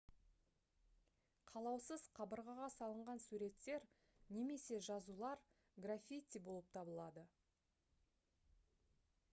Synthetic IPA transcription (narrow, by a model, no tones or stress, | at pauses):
qʰɑlˠɑwsəz̥qʰɑbəɾʁɑʁɑsɑlˠəɴʁɑnsuɾe̞t̪ːe̞ɾ | ne̞me̞se̞ʒɑzulˠɑɾ | ɡrafʲijt̪ʲːibo̞lˠəp̚t̪ʰɑbəlˠɑd̪ə